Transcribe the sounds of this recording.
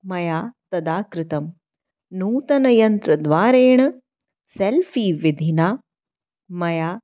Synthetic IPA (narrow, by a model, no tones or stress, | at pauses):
mɐjaːt̪ɐd̪aːkɾɪt̪ɐm | nuːt̪ɐnɐjɐnt̪ɾɐd̪ʋaːɾeːɽ̃ɐ | selfʰiːʋɪd̪ʱinaː | mɐjaː